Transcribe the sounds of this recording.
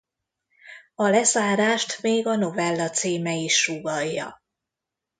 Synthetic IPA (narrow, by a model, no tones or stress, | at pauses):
ɒlɛzaːɾaːʃt̪meːɡɒno̞vɛlːɒt̪siːmɛiʃːuɡɒjːɒ̰